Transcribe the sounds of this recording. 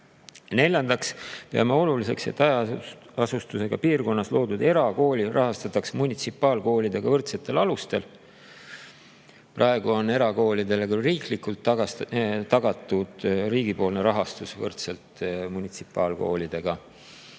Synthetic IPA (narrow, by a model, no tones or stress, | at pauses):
ne̞lʲjɑnd̪ɑkst̪eɑ̰meo̞lulise̞̰kse̞̰t̪ːˑɑjɑɑsust̪use̞ɡ̥ɑpiːrko̞nːɑslo̞ːd̪ud̪̥e̞ɾɑko̞ːlʲirʔɑɦɑst̪ɑt̪ːɑksmunʲit̪sipːˑɑːlko̞ːlʲid̪e̞ɡ̥ɑvɤrt̪se̞t̪ːˑe̞lɑlust̪e̞l | prɑe̞ɡ̥uo̞ne̞ɾɑko̞ːlid̪e̞lekylriːklikult̪ːɑt̪ɑɡ̥ɑt̪ːˑud̪̥riːɡipo̞ːlne̞ɾɑɦɑst̪usvɤrt̪se̞lt̪ˑmunʲit̪si̥pːˑɑːlko̞̰ːlid̪̥e̞ɡ̥ɑ